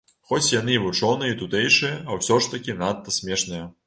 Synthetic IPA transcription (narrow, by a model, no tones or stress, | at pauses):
xɔt͡sʲjan̪ɨvut͡ʂɔnɨjɐit̪ut̪ɛjʂɨjɐɐwsʲɔʂt̪ɐkʲinat̪ːɐsʲmʲɛʂnɐjɐ